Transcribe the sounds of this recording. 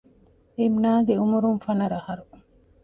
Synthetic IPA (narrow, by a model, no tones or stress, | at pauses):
emnaːɡeumuɾunfɐnɐɾɐhɐɾu